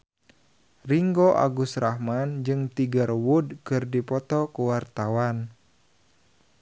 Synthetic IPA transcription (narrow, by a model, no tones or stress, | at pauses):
riŋɡoʔa̰ɡusɾahmand͡ʒɨŋt̪iɡarwudkɨrdipɔt̪ɔkuwart̪awan